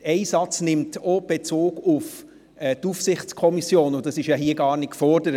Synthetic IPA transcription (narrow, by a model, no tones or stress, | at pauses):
ɛɪsɑt͡snɪmtɔb̥et͡soːɡʊf | ɛtufsɪχt͡skʰɔmisjoːnʊd̥ɑsɪʃjɑɦiːəɡɑːɾnɪtkfɔɾd̥əɾə